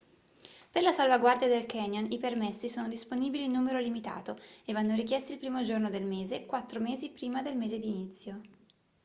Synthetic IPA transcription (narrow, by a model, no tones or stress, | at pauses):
perlasalvaɡward̪jad̪elkɛɲjonipermesːisoːnod̪isponiːbiliːnːuːmeɾolimit̪a̰ːt̪oevːanːoɾikjɛst̪iːlpɾiːmod͡ʒornod̪elmeːzekwat̪ːɾomeːzipɾiːmad̪elmeːzed̪init̪sːjo